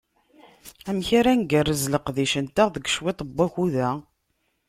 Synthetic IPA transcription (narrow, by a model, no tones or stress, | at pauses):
æmçaɾænɡərːəzləqðiʃənt̪æʁðəɡʃwit̪ˤbːæçuðæ